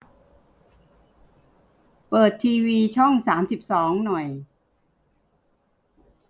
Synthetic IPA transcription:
pɤː˨˩t̪ʰːiː˧wiː˧t͡ɕʰɔ˥˩ŋsaː˩˦msi˨˩p̚sɔː˩˦ŋnɔ˨˩j

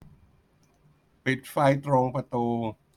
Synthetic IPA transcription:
pi˨˩t̪̚fa˧jt̪ɾo˧ŋpa˧t̪uː˧

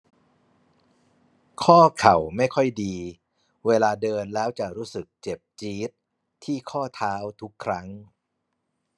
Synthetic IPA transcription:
kʰɔː˥˩kʰa˨˩wma˥˩jkʰɔ˥˩jdiː˧ | weː˧laː˧dɤː˧nlɛː˦˥wt͡ɕa˨˩ɾuː˦˥sɯ˨˩k̚t͡ɕe˨˩p̚t͡ɕiː˦˥t̪̚ʰː | iː˥˩kʰɔː˥˩t̪ʰaː˦˥wt̪ʰu˦˥kʰːɾa˦˥ŋ

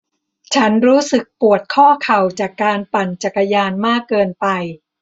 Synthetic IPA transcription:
t͡ɕʰa˦˥nɾuː˦˥sɯ˨˩k̚pu˨˩ət̪̚kʰɔː˥˩kʰa˨˩wt͡ɕaː˨˩kːaː˧npa˨˩nt͡ɕa˨˩kːa˧jaː˧nmaː˥˩kːɤː˧npa˧j

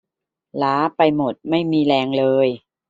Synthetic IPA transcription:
laː˩˦˥pa˧jmo˨˩t̪̚ma˥˩jmiː˧lɛː˧ŋlɤː˧j

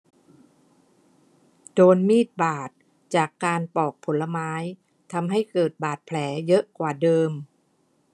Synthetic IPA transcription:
doː˧nmiː˥˩t̪̚baː˨˩t̪̚ | t͡ɕaː˨˩kːaː˧npɔː˨˩k̚pʰo˩˦nla˧maː˦˥j | t̪ʰa˧mɦa˥˩jkɤː˨˩t̪̚baː˨˩t̪̚pʰlɛː˩˦jɤ˦˥ʔkwaː˨˩dɤː˧m

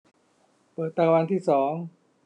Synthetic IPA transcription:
pɤː˨˩t̪ːaː˧wa˧nt̪ʰiː˥˩sɔː˩˦ŋ

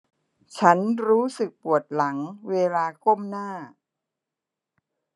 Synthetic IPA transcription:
t͡ɕʰa˦˥nɾuː˦˥sɯ˨˩k̚pu˨˩ət̪̚la˩˦ŋweː˧laː˧kʰo˥˩mnaː˥˩

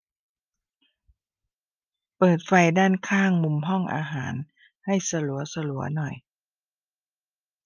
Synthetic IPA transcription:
pɤː˨˩t̪̚fa˧jdaː˥˩nkʰaː˥˩ŋmu˧mɦɔ˥˩ŋʔa̰ː˧ɦaː˩˦n | ha˥˩jsa˧lu˨˩˦ɐsa˧lu˨˩˦ɐnɔ˨˩j

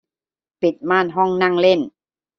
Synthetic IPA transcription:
pi˨˩t̪̚maː˥˩nɦɔ˥˩ŋna˥˩˨ŋle˥˩n

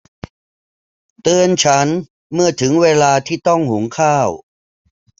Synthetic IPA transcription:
t̪ɯː˧ənt͡ɕʰa˦˥n | mɯ˥˩ɐt̪ʰɯ˩˦ŋweː˧laː˧t̪ʰiː˥˩t̪ɔ˥˩ŋhu˩˦ŋkʰaː˥˩w

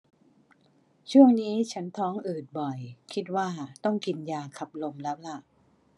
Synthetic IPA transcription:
t͡ɕʰu˥˩əŋniː˦˥t͡ɕʰa˦˥nt̪ʰɔː˦˥ŋʔɯː˨˩t̪̚bɔ˨˩jkʰi˦˥t̪̚waː˥˩t̪ɔ˥˩ŋki˧njaː˧kʰa˨˩p̚lo˧mlɛː˦˥wla˧˥˩ʔ

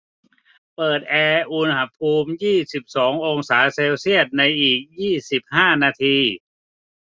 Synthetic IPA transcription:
pɤː˨˩t̪̚ʔɛː˧ʔu˧nha˧˥˩pʰuː˧mjiː˥˩si˨˩p̚sɔː˩˦ŋʔo˧ŋsaː˩˦seː˧wsi˥˩ət̪̚na˧jʔiː˨˩k̚jiː˥˩si˨˩p̚haː˥˩naː˧t̪ʰiː˧

